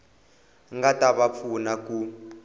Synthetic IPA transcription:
ŋɡataβap̪fʰunaku

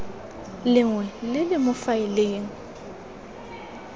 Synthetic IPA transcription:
lɪŋwɛlɪlɪmʊfaɪleːŋ̩

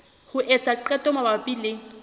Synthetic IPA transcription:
hʊʔɛt͡sʼaǃɛtʼɔmabapʼileːŋ̩

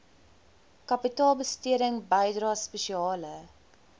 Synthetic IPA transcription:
kɐpitɑːlˠbəstiəɾəŋbəjdrɑːspɛʃiɑːlə

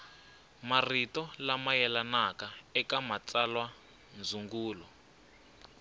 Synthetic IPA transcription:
maritɔlamajɛlanakaɛkamat͡salwa | nd͡zuŋɡuːlɔ

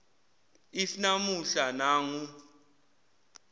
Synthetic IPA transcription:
isinamuɬanaːŋu

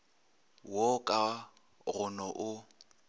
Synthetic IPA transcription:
wɔkʼa | rʊnɔʔʊ

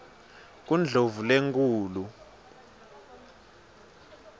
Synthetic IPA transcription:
k̬und͡ɮʱovuleŋkʰʼuːlu

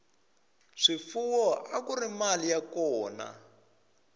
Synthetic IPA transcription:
ʂifuwɔʔakurimalijakɔːna̰

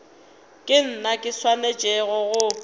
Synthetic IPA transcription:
kʼɪn̩nakʼɪswaned͡ʒʼɛɣɔɣʊ

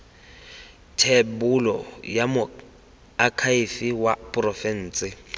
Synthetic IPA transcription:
tʰebulɔ̰jamʊ | akʰaifiwapʼrɔfɛn̩ːt͡sʼɪ

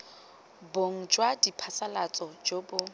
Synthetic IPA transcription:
boŋ̩d͡ʒwadipʰasalat͡sʼɔd͡ʒobʊ

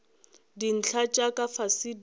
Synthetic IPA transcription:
din̩t͡ɬʰat͡ʃʼakʼafasid

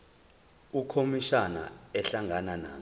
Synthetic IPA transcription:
ukʰomiʃana̰ɛɬaŋʱananaː

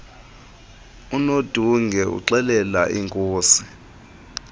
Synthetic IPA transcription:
unod̥ʱuŋɡʱɛṵǁɛlɛla̰ʔiŋkʼoːsi̥

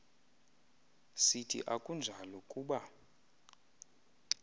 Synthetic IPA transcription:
sitʰḭʔakʼund͡ʒʱalɔkʼuːɓa

